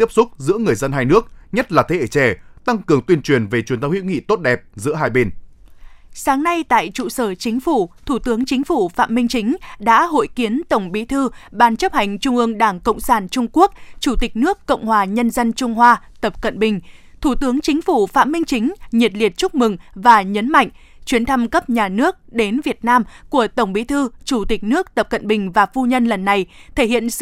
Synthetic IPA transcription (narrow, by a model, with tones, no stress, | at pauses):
i˦˥əp̚sʊ˦˥k͡p̚zɨ̰˧˥ŋɨ˨˩əjzə˧nɦaː˧jnɨ˦˥ək̚ɲə˦˥t̚laː˨˩t̪ʰe˨˦e˧˩t͡ɕɛ˧˩t̪a˧ŋkɨ˨˩əŋt̪wi˧ənt͡ɕwi˨˩ənve˨˩t͡ɕwənt̪ʰa˧wḭ˧˥wŋḭ˧˨t̪o˦˥t̚ɗɛ˨˩p̚zɨ̰˧˥əɦaː˧jɓe˧n | saː˨˦ŋna˧jt̪a̰ː˧˨jt͡ɕṵ˧˨səː˧˩t͡ɕï˨˦ŋ̟fu˧˩t̪ʰu˧˩t̪ɨ˨˦əŋt͡ɕï˨˦ŋ̟fu˧˩fa̰ː˧˨mï˧ŋ̟t͡ɕï˨˦ŋ̟ɗa̰ː˧˥ɦo̰˧˨jki˨˦ənt̪ə˨˩wŋ͡mɓḭ˧˥t̪ʰɨ˧ɓaː˨˩nt͡ɕə˦˥p̚ha˨˩jŋ̟t͡ɕʊ˧ŋ͡mʔɨ˧əŋɗaː˧˩ŋkə̰˧˨wŋ͡msaː˧˩nt͡ɕʊ˧ŋ͡mku˦˥ək̚t͡ɕu˧˩t̪ï˨˩k̟̚nɨ˦˥əkːə̰˧˨wŋ͡mhwaː˨˩ɲə˧nzə˧nt͡ɕʊ˧ŋ͡mɦwaː˧t̪ə˨˩p̚kə̰˧˨nɓï˨˩ŋ̟ | t̪ʰu˧˩t̪ɨ˨˦əŋt͡ɕï˨˦ŋ̟fu˧˩fa̰ː˧˨mï˧ŋ̟t͡ɕï˨˦ŋ̟ɲi˨˩t̚li˨˩ət̚t͡ɕʊ˦˥k͡p̚mɨ˨˩ŋvaː˨˩ɲə˨˦nma̰˧˨jŋ̟ | t͡ɕwi˨˦ənt̪ʰa˧mkə˦˥p̚ɲaː˨˩nɨ˦˥ək̚ɗe˨˦nvi˨˩ət̚naː˧mku˧˩ət̪ə˧˩wŋ͡mɓḭ˧˥t̪ʰɨ˧t͡ɕu˧˩t̪ï˨˩k̟̚nɨ˦˥ək̚t̪ə˨˩p̚kə̰˧˨nɓï˨˩ŋ̟vaː˨˩fu˧ɲə˧nlə˨˩nːa˨˩jt̪ʰe˧˩hḭ˧˨ən